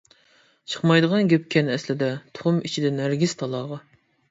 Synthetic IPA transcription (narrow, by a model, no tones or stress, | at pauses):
t͡ʃʰə̥χmɑjd̪əʁɑnɡʲɛp̚ʲkʲʰɛnɛslɪd̪ɛt̪ʰʊ̥χʊmit͡ʃʰid̪ɛnæɾɡʲiz̥t̪ʰɑlˠɑːʁɑ